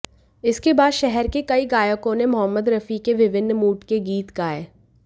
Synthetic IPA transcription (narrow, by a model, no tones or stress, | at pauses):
ɪskebaːd̪ʃɛɦɛɾkekɐiɡaːjəkõnemʊɦəmːəd̪ɾɐfikeʋɪʋɪnːmuːʈkeɡiːt̪kaːeː